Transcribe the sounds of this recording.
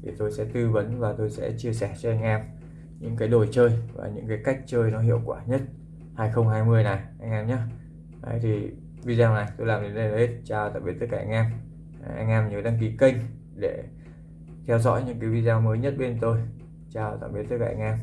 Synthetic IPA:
t̪ʰi˨˩t̪o˧jsɛ̰˧˥t̪ɨ˧və˨˦nvaː˨˩t̪o˧jsɛ̰˧˥t͡ɕi˧əsɛ˧˩t͡ɕɔ˧ʔa˧jŋ̟ʔɛː˧m | ɲɨ̰˧˥ŋkaː˨˦jɗo˨˧˩jt͡ɕəː˧jva̰ː˨˩ɲɨ̰˧˥ŋkaː˨˦jka˦˥k̟̚t͡ɕəː˧jnɔ˨˦ɦḭ˧˨əwkwaː˧˩ɲə˦˥t̚ | haː˧jxə˧wŋ͡mɦaː˧jmɨ˧əjna˨˩jʔa˧jŋ̟ʔɛː˧mɲaː˨˦ | ʔə̰˨˦jt̪ʰi˨˩ | vi˧zaː˧na˨˩jt̪o˧jlaː˨˩mɗe˨˦nɗlhe˦˥t̚t͡ɕaː˧˩wt̪a̰ː˧˩ɓi˨˩t̪ə˦˥kaː˧˨ʔa˧ŋ̟ʔɛ˧m˧ | ʔa̰˧jŋ̟ʔɛː˧mɲə˨˦ɗa˧ŋk̬i˨˦kə˧jŋ̟ | ɗe˧˩ | t̪ʰɛ˧wzɔ̰˧˥jɲɨ̰˧˥ŋkaː˨˦jvi˧zaː˧məː˨˦jɲə˦˥t̚ɓe˧nt̪o˧j | t͡ɕaː˧˩wt̪a̰ː˧˩ɓi˨˩t̪ə˦˥t̚kaː˧ʔa˧ŋ̟ʔɛ˧m

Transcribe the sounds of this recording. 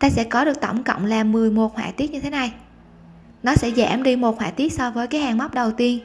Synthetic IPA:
t̪aː˧sɛ̰˧˥kɔ˨˦ɗɨ˨˩ək̚t̪ə̰˧˩wŋ͡mkə̰˧˨wŋ͡mlaː˨˩mːɨ˨˩əjmo˨˩t̚hwa̰ː˧˨t̪i˦˥ət̚ɲɨ˧t̪ʰna˨˩j | nɔ˨˦sɛ̰˧˥za̰ː˧˩mɗi˧mo˨˩t̚hwa̰ː˧˨˩t̪i˦˥ət̚sɔ˧vəː˨˦jkaː˨˦jhaː˨˩ŋma˦˥wk͡p̚ɗə˨˩wt̪i˧ən

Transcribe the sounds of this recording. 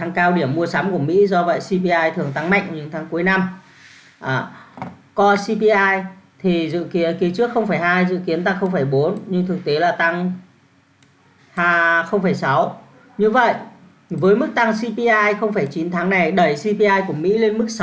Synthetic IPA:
a˨˧ŋkaː˧wɗi˧˩əmːu˧əsaː˨˦mku˧˩əmḭ˧˥zɔ˧və̰˧˨jsi˧pi˧ʔaː˧jt̪ʰɨ˨˩əŋt̪a˧ŋma̰˧˨jŋʔɲɨ̰˧˥ŋt̪ʰaː˨˦ŋku˨˦jna˧m | ʔaː˨˩ | kɔ˧si˧pi˧ʔaː˧jt̪ʰi˨˩zɨ̰˧˨ki˨˦ənki˨˦t͡ɕɨ˦˥ək̚xə˧wŋ͡mfaː˧˩jɦaː˧jzɨ̰˧˨ki˨˦ənt̪a˧ŋxə˧wŋ͡mfəː˧˩jɓo˨˦nɲɨ˧ŋt̪ʰɨ˨˩k̚t̪e˨˦laː˨˩t̪a˧ŋ | haː˧xə˧wŋ͡mfə˧˩jsa˨˦w | ɲɨ˧və̰˧˨jʔ | vəː˨˦jmɨ˦˥k̚t̪a˧ŋsi˧pi˧ʔaː˧jxə˧wŋ͡mfaː˧˩jt͡ɕi˨˦nt̪ʰaː˨˦ŋna˨˩jɗə˧˩jsi˧pi˧ʔaː˧jku˧˩əmḭ˧˥le˧nmɨ˦˥k̚s

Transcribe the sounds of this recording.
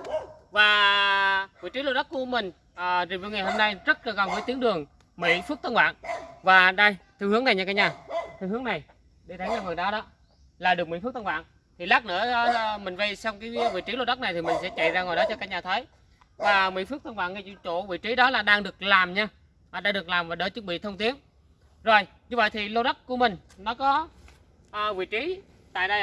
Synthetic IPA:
vaː˨˩ | vḭ˧˨t͡ɕi˨˦lo̰˧˥ɗa˦˥k̚ku˧˩əmï˨˩ŋ̟ | ʔːzi˨˩vi˨˧˩ŋa˨˩jho˧mna˧jzə˦˥t̚lːkɔ˨˩nvəː˨˦jt̪i˨˦əŋɗɨ˨˩əŋ | mḭ˧˥fɨ˦˥k̚t̪ə˧nwa̰ː˧˨nvaː˨˩ɗə˧jt̪ʰɨ˧˩hɨ˨˦əna˨˩jɲaː˧kːaː˨˦˥kɲaː˨˩t̪ʰɨ˧˩hɨ˨˦ŋna˨˩j | ɗi˧t̪ʰə˨˦jɲaː˧˩vɨː˨˩ɗɔ˨˦ɗɔ˨˦ | laː˨˩ɗɨ˨˩ək̚mḭ˧˥f̚t̪ə˧n̚wa̰ː˧˨ | t̪ʰi˨˩laː˦˥nɨ̰ː˧˥ə˨˧mï˨˩ŋ̟və˧jsa˧wŋ͡mkaː˨˦jvḭ˧˨t͡ɕi˨˦lo˧ɗə˦˥k̚na˨˩jt̪ʰi˨˩mï˨˩ŋ̟sɛ̰˧˥t͡ɕa̰˧˨jzaː˧ŋo˨˩jɗɔ˨˦t͡ɕɔ˧kːaː˦˥k̚ɲaː˨˩t̪ʰə˨˦j | vaː˨˩mḭ˧˥˦fɨ˦˥ət̪ʰə˧nɓa̰ː˧˨nŋa˧jt͡ɕṵ˧˥t͡ɕo˧˩vḭ˧˨t͡ɕi˨˦ɗɔ˨˦laː˨˩ɗaː˧ŋɗɨ˨˩ək̚laː˨˩mɲaː˧˨˩ | ɗaː˧ŋɗɨ˨˩ək̚laː˨˩mvaː˨˩ɗə˧˨˦t͡ɕɨ˦˥k̚ɓḭ˧˨t̪ʰə˧wŋ͡mt̪i˨˦ən | zo˨˩j | ɲɨ˧və̰˧˨jt̪ʰi˨˩lo˧ɗə˦˥t̚ku˧˩əmï˨˩ŋ̟ | nɔ˨˦kɔ˨˦ | ʔvḭ˧˨t͡ɕi˨˦ | t̪a̰ː˧˨jɗə˧j

